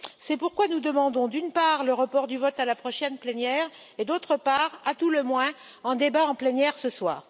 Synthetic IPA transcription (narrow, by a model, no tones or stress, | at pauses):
sɛpuʁkwanud̪əmɑ̃d̪ɔ̃d̪ynpaʁləʁəpɔʁd̪yvɔt̪alapχɔʃɛnplɛnjɛʁ | ed̪ot̪χəpaʁat̪uləmwɛ̃ | ɑ̃d̪ebaɑ̃plɛnjɛʁsəswa̰ːʁ